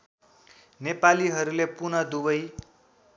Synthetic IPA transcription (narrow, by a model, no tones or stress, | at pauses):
nepaliɦʌɾulepunʌd̪ubʌj